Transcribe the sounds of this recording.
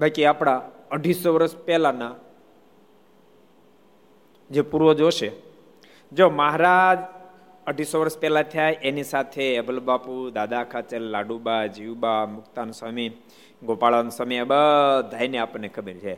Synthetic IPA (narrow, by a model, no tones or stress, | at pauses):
bakiapɽ̃a | əɖʱisoʋəɾəspɛlana | d͡ʒepuɾʋod͡ʒoʃe | d͡ʒoməɦɾad͡ʒ | əɖʱisoʋəɾəspɛlat̪ʰjajʔenisat̪ʰeːbʱəlbapud̪ad̪aːkʰat͡ʃəlːaɖubad͡ʒiwbamʊkt̪ansəmi | ɡopaɭansəmiabəd̪ʱajneapənekʰəbiɾt͡ʃʰe